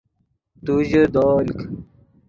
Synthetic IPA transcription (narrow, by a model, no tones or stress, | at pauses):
t̪ud͡ʑəd̪oːlk